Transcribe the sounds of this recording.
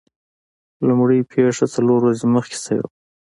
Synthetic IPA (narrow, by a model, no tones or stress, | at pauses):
lʊmɽəjpʰeʂat͡saloɾwazeməxke̥sawḛw